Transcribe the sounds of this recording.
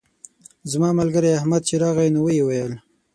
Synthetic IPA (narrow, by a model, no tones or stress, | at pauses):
zmɑmalɡəɾajahmad̪̚t͡ʃeɾɑɣajnowəjewajəl